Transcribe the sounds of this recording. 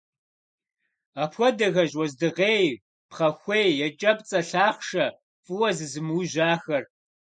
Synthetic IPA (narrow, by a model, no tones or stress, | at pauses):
aːpxʷɔdɐɣɐʑwɔzdɨʁeːj | pχɐxʷeːjjɛt͡ʃʼɐpt͡sʼɐɬaːχʃɐ | fʼɨwɐzɨzɨmuʑaːxɐr